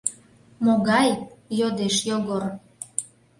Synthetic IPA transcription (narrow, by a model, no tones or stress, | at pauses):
moɣɑjjod̪eʃjoɣor